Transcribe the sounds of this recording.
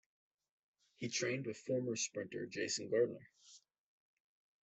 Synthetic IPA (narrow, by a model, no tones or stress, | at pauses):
hitʰɹ̥ẽɪ̃nd̚wɨð̥fɔɹmə˞spɹɪ̃ntə̰˞d͡ʒeɪsn̩ɡɑɹdⁿn̩ə̰˞